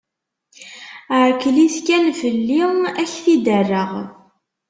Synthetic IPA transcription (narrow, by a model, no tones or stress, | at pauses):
ʕkːliθkænfəlːiæçθid̪ərːəʁ